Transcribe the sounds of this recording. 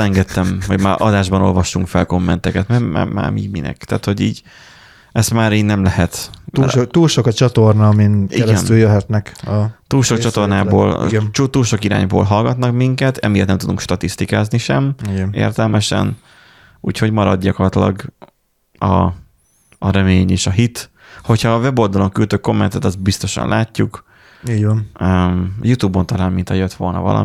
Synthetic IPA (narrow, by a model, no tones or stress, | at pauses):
ɛŋɡɛt̪ːɛmho̞ɟmaːʔɒd̪aːʒbɒno̞̰lvɒʃːuŋkfɛlko̞mːɛnt̪ɛkɛt̪mɛma̰ːma̰ːmiːɟminɛ̰kt̪a̰ːt̪ho̞ɟiːɟ | ɛst̪maːɾiːnːɛmlɛɦɛt̪ukt̪uːlʃokɒt͡ʃɒt̪ornɒminiɛɾɡɛnt̪yljøɦɛt̪nɛkt̪uːlʃokt͡ʃɒt̪o̞rnaːbo̰ːlt͡ʃut̪uːlʃo̞kiɾa̰ːɲbo̰ːlɦɒlɡɒt̪nɒkmiŋkɛt̪ɛmijet̪nɛmt̪ud̪uŋkʃt̪ɒt̪ist̪ikaːzniʃɛmɡnḛːrt̪ɛlmɛʃɛ̰n | ṵːcho̞ɟmɒɾɒ̰d̪ɟɒkort̪lɒ̰ɡ | ɒː | ɾɛmeːɲeːʃɒɦit̪ | ho̞chɒːvɛbo̞ld̪ɒlo̞ŋkylt̪øːkːo̞mːɛnt̪ɛt̪ɒst̪̚bist̪o̞ʃɒ̰nlʔaːcːuk | iːɟʋnømjut̪uːbont̪ɒlaːlmint̪ʰɒjøt̪ʋo̞lnɒ̰vɒ̰lɒ̰